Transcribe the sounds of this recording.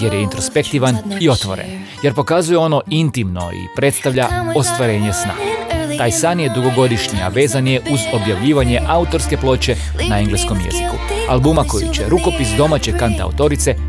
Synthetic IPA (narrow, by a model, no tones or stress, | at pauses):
je̞ɾjeint̪ɾo̞spe̞kt̪iʋanio̞t̪ʋo̞̰ɾḛn | je̞ɾpo̞kazuje̞o̞no̞int̪imno̞̰ḭpɾet̪st̪aʋʎaost̪ʋaɾe̞ːɲe̞sna̰ːɡt̪aːjsaːnje̞d̪uɡo̞ɡo̞d̪iʃɲia̰ʋe̞ːzanje̞ʔuzo̞bjaʋʎiːʋaɲe̞ʔaut̪o̞ɾske̞plˠo̞ːt͡ʃe̞ | naeŋɡlesko̞mjḛziku | alˠbumakojut͡ɕeɾuko̞pisd̪o̞mat͡ɕe̞kant̪a̰ut̪o̞ɾit̪se̞